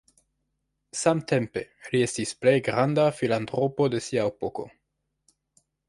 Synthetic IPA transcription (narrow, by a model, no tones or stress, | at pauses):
samte̞mpe̞lie̞stisple̞jɡɾandafilantɾo̞po̞de̞siaepoko̞̰